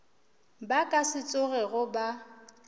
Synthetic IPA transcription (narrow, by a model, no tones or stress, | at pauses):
bakʼasɪt͡sʼʊɣɛɣʊba